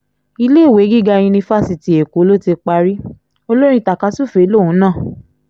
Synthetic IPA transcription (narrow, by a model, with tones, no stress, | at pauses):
i˧le˦˨we˨˦ɡi˦˨ɡã˧ĩ˧nĩ˧fa˦si˨ti˨e˨ko˨˦lo˦ti˧k͡pa˧ɾi˦ | o˧lo˦ɾ̃ĩ˧ta˨ka˨˧˦su˦˨fe˨˦lo˦˨ũ˨˦nãː˦˨